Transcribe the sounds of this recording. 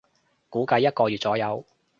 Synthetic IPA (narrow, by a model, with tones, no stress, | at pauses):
kuː˨˥kɐ˧jːɐ˥t̚kɔː˧jyː˨t̚t͡sɔː˨˥jɐ˨˧w